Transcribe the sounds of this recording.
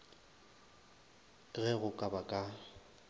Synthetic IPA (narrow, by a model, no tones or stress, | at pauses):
ɣɛɣʊkʼabakʼa